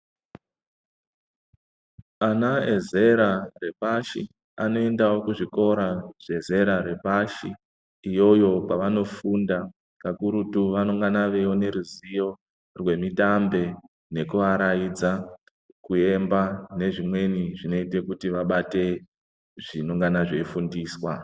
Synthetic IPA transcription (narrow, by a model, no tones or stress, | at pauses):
anaeze̞ɾare̞paʃi | ano̞e̞ndawo̞kuʐiko̞ɾaʐ̥e̞ze̞ɾaɾe̞paʃiː | jo̞jo̞paʋano̞funda | kakuɾutuʋanoŋɡanaʋe̞wo̞ne̞ɾuzijo̞ | rwe̞mitambe̞ | ne̞kuʋaɾajid͡za | kue̞mbane̞ʐimwe̞niʐino̞ite̞kutiʋaɓate̞ | ʐ̥inoŋɡanaʐe̞ifundiːswa